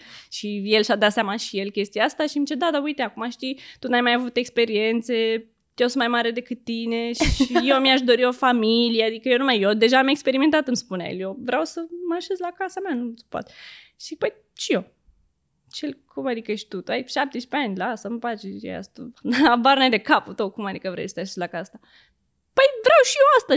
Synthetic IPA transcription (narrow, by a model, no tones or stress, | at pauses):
ʃije̞lʃad̪at̪sjamaʃije̞lkʲe̞st̪iaast̪aʃid̪it͡ʃed̪ad̪aujt̪eakumaʃt̪it̪unajmajavut̪e̞kspe̞ɾie̞nt̪se̞ | jeosunmajmaɾe̞d̪e̞kɨt̪ːine̞ʃijewmiaʃd̪o̞ɾio̞familijead̪ikəjeonumajjod̪e̞ʒaːme̞kspe̞ɾiment̪at̪ɨmspuna̰jḛljevɾeawsəməaʃezlakasameanu̥pa̰t̪ʃipəj | t͡ʃio | t͡ʃelʲkʰumad̪ikəeʃt̪ut̪uajʃap̚t̪eʃʲpeanʲlaasaməpat͡ʃejḛja̰st̪uabaɾnajd̪e̞kaput̪owkumad̪ikəvɾḛsə̥t̪eaʃezlakasa | pəjvɾawʃioast̪a